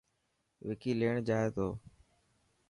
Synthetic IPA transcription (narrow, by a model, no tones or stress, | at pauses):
ʋɪkiːleːɳd͡ʒaːet̪oː